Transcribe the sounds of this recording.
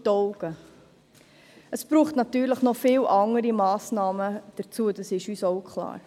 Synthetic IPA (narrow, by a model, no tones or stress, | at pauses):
dɔʊɡ̥ə | əsb̥ɾuːχtnɑtyːɾləχnɔfɪːwʔɑŋəɾimɑːsnɑːməd̥əɾt͡suəd̥ɑsɪʃyːsoʊkχlɑ̰ːɾ